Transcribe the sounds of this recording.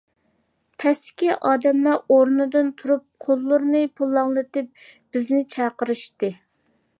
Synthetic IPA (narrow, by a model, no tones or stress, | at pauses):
pʰɛst̪ɪ̥kʲiʔɑːd̪ɛmlˠɑɾoɾnɨd̪ɨnt̪ʰuɾup̚qʰolˠːʊɾnɨpʰulˠːɑŋlˠɨt̪ɨp̚b̥ɪznɪt͡ʃʰɑqəɾɨʃt̪ɨ